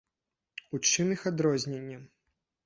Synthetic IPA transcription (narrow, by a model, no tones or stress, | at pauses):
ut͡ʂɨnɨxad̪ɾɔzʲnʲenʲːɐ